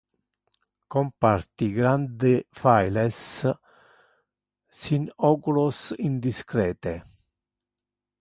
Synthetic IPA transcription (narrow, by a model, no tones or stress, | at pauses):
kompart̪iɡɾand̪efajles | sinɔkulosind̪iskɾɛːt̪e